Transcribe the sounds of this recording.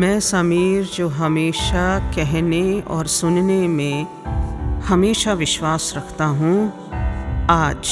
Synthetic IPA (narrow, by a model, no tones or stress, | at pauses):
mɛ̃ːsɐmiːɾd͡ʒoːɦɐmeːʃakɛɦneɔ̰ːɾsʊnnemẽ | hɐmeːʃaʋɪʃwaːsɾɐkʰt̪aɦũ | aːd͡ʒ